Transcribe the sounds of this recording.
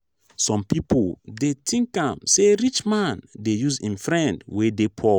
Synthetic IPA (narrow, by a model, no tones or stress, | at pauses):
sɔ̃mpipʰodetʰĩŋkãmseɾit͡ʃmãndejuzĩnfɹɛ̃ndwedepʰɔ